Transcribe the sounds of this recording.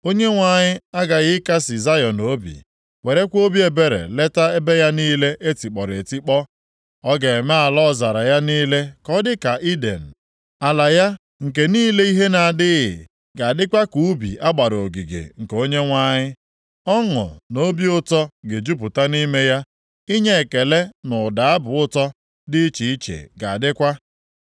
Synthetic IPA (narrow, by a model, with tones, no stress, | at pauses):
o˦ɲe˦ŋʷa˨ɲɪ˦a˦ɡa˨ɣɪ˦ka˦sɪ˨za˦jɔ˨no˦bḭ˨ | we˨ɾe˦kʷo˦bi˦e˨be˨ɾḛ˨le˦ta˦e˦be˦ja˦niː˦le˦ʔe˦ti˨k͡pɔ˨ɾe˨ti˦k͡pɔ˦ | ɔ˦ɡe˨me˦a˨lɔ˦˨za˨ɾa˨ja˦niː˦le˦kɔ˦dɪ˦ka˨ʔi˦de˨n̩˨ | a˨la˨ja˦ | ŋ̩˨k̬e˨niː˦le˦i˦ɦe˦na˨a˨dɪ˦ɣɪ̰˨ | ɡa˨a˨dɪ˦kʷa˦ku˨u˦bḭ˨ʔa˦ɡ͡ba˨ɾo˨ɡi˨ɡḛ˨ŋ̩˨ko˦ɲe˦ŋʷa˦ɲɪ˦ | ɔ˦ŋʊ̰˨no˦bi˦ʊ˦tɔ˦ɡe˨d͡ʒu˦p̬ʊ˨ta˦ni˦me˦ja˦ | i˦ɲe˦e˨ke˨le˦nʊ˨da˨a˦bʊ˨ʊ˦tɔ˦ | dɪ˦t͡ʃi˨i˦t͡ʃḛ˨ɡa˨a˨dɪ˦kʷa˦